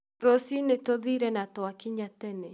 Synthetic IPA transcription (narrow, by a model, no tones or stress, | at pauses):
ɾosinetoðiɾɛnatoakiɲatɛnɛ